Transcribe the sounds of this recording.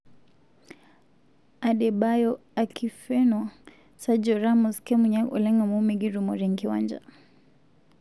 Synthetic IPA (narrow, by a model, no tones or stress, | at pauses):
aɗɛbajɔ | akʰifɛnɔ | sad͡ʒɔɾamɔskɛmuɲaɔ̰lɛŋɡamumɛɡiɾumɔɾɛŋkiwand͡ʒa̰